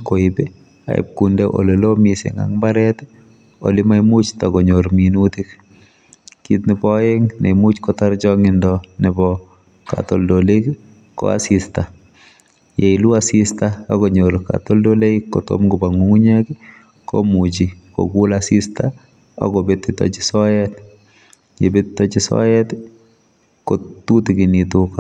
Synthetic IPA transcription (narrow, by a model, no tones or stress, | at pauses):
koibɛ | a̰ḭp̚kundɛʔo̰lelomisɪ̰ŋa̰ŋmbaɾɛt | o̰lɪmajmut͡ʃtakɔɲoɾminutik | kitnɪbɔeŋnemut͡ʃkɔtaɾd͡ʒɔŋɪndɔnɪbɔ | ka̰tɔldolek | kɔ̰a̰sista | jeiluasistaakoɲolka̰toldolekːɔto̰mɡʊbaŋuŋuɲek | ko̰mut͡ʃiko̰ɡulasista | ɔ̰kɔbet̪ːɪtɔ̰t͡ʃɪ̥sɔjɛt | jebɪtɪtːɔt͡ʃɪsɔ̰jɛt | kotutikɪnituk